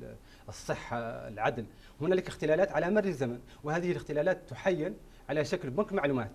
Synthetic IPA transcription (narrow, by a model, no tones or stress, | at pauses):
əsˤːəħːɑ̰lʕad̪l | hʊnæləkəxt̪əlælæːt̪ʕalæmɑrːəzæmən | whæd̪əhələxt̪əlælæːt̪ːʊħajːən | ʕalæʃæklbʊnkmaʕlumæt̪